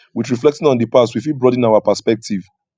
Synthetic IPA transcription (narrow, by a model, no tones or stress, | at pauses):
witɹiflɛk̚tĩŋɔ̃ndəpastwifilbɹɔdĩnaʊapəspɛk̚tʰiv